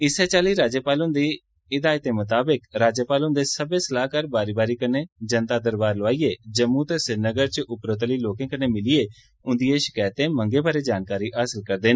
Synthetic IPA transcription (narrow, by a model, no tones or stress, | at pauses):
ɪsɛːt͡ʃaːliːɾaːd͡ʒəpaːlʊ̃nd̪iː | ɪd̪aːjt̪̚eːmət̪aːbəkɾaːd͡ʒəːpaːlʊ̃nd̪eːsəbeːsəlaːkəɾbaːɾiːbaːɾiːkəneːd͡ʒənt̪aːd̪əɾbaːɾləaːiːeːd͡ʒəmːuːt̪eːsɪɾnəɡəɾt͡ʃʔʊpɾət̪liːloːkẽːkəneːmɪlɪeː | ʊ̃nd̪ijẽːʃɪ̥kaːjt̪ẽːməŋɡeːbaːɾeːd͡ʒaːnkaːɾiːʔaːsəlkəɾd̪eːn